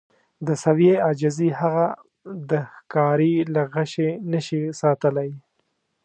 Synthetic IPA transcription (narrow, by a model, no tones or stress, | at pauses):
d̪əsawjead͡ʒazihaɣa | d̪əxkɑɾilaɣaʃenəʃisɑt̪əlaj